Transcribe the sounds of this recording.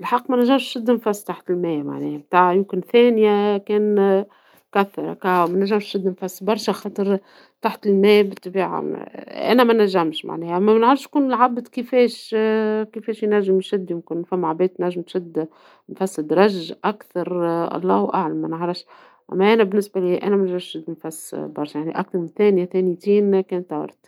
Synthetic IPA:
ɪlħɑqːmænæʒːæmʃʃɪd̪ːmfæsːt̪aħt̪ɪlmɛːma̰ʕnɛ̰ːhæb̚t̪aːʕjɪmkɪnθɛːnjækɛːn | kæθːɑɾˤɑ̰kæwmænæʒːæmʃʃɪd̪ːmfæsːbɑɾˤʃæxɑːt̪ˤɨɾˤ | t̪aħt̪ɪlmɛːbɪt̪ˤːbiːʕa̰ʔæ̰næmænæʒːæmʃma̰ʕnɛːhʔæmːæmænʕɾˤʃjkuːnɪlʕabd̪kɪfɛːʃ | kɪfɛːʃjnæʒːɪmʃɪd̪ːjɪmkɪnfæmːʕabɛːd̪̚t̪næʒːɪmt̪ʃɪd̪ː | mfæsːd̪ɾˤɑʒːʔakθɑɾˤɑ̰lˤːɑ̰ːhwʔaʕlamːænʕɾˤɑfʃ | ʔæ̰mːæʔænæbɪnːɪsbæliːʔæ̰ːnæmænæʒɑʃʃɪd̪ːmfæsːbɑɾˤʃajaʕniʔak̚θɑɾmɪnθɛːnjæθɛːnit̪iːnkɛːnt̪ːɑwɑ̰ɾˤt̪

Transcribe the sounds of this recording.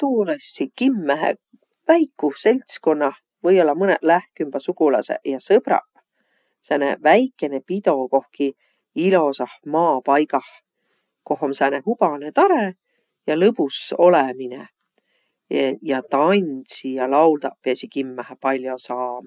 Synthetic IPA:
t̪uːlesʲːikimːæɦḛ | væjkːˑuse̞lʲt̪sko̞nːɑh | vɤjo̞lːɑmɤneʔlæhkymb̥ɑsukulɑ̰sḛʔjɑsɤb̥ɾɑ̰ | sænḛvæjkːˑe̞nepid̪o̞ko̞hki | ilo̞sɑhmɑːpɑjɡɑh | ko̞homsæneɦub̥ɑnet̪ɑɾe | jɑlɤpuso̞leminḛ | jɑt̪ɑnʲsijɑlɑwld̪ɑʔpeesʲikimːæhepɑlʲjo̞sɑːmɑ

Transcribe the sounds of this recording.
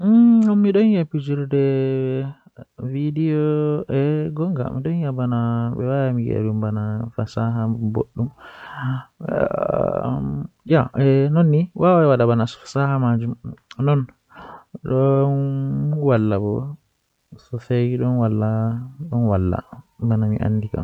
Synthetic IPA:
ɔmmiɗɔnjapːid͡ʒiɾdɛ | vidijɔɛɡɔŋɡa̰miɗɔnjabanaɓɛ̰wajamiɡɛ̰bumbanafasaɦabo̰ɗːum | jaɛnɔnːiwawaɛwaɗabanasɔ̥fḁsahamad͡ʒumnɔn | ɗɔnwalːabɔ | sɔfejiɗɔnwalːaɗɔnwalːa̰banamḭʔa̰nːdika̰m

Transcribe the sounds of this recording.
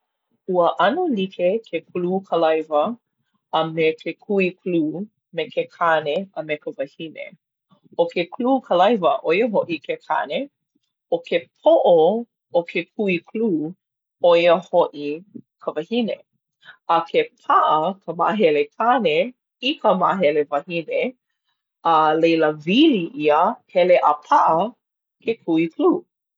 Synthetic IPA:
uəʔɐnulikʰekʰekʰluːkʰəlɐjvəː | mekʰekʰuikluː | mekekʰaneəmekəvɐhinḛ | okʰekʰluːkʰəlɐjvəʔojəɦoʔikʰekʰa̰ne | okʰep̚ʰoʔo | okʰekʰuikʰluː | oiəhoʔikʰəvɐhine | ɐkʰepʰaʔəkʰəma̰ɦɛlekʰane | ikʰəma̰ʔɦɛlevɐhine | əlejləviliʔiəhɛleʔɐpʰaʔə | kekʰuikluː

